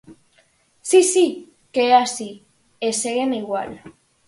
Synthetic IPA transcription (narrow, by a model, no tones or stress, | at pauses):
sisi | keasi | eseɣeniɣwa̰l